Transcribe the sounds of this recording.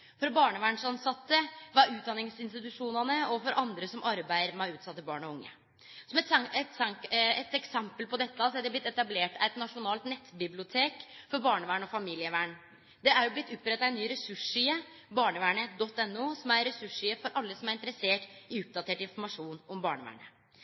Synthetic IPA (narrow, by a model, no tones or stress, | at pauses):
fɔɾbɑːɳəʋæːɳʂɑnsɑt̪ːəʋɑʉːt̪̚d̪ɑnːɪŋsɪnst̪ɪt̪ʉʂuːnɑnəɔfɔɾʔɑnd̪ɾəsɔmʔɑɾbæɪəɾmɛʉːt̪sɑt̪ːəbɑːɳɔʊŋːə̰ | sɔmɛt̪ɛt̪sɛŋɛt̪ɛksɛmpəlpɔd̪ɛt̪ːəsɔæd̪ɛblɪt̪ːɛt̪ɑbleːʈʰæɪt̪nɑʂʊnɑːlt̪nɛt̪ːbɪblɪʊt̪ʰeːkfɔɾbɑːɳəʋæːɳɔfɑmiːlɪəʋæːɳ | d̪ɛæɾjʊblɪt̪ːʊpːɾɛt̪ːɑæɛnːyːɾɛsʉʂyːə | bɑːɳəʋæːɳəd̪ɔt̪ːɛnːuːsɔmæɾɾɛsʉʂyːəfɔɾʔɑlːəsɔmæɾɪnt̪əɾəseːʈɪʊp̚d̪ɑt̪ʰeːʈɪnfɔɾmɑʂuːnɔmbɑːɳəʋæ̰ːɳə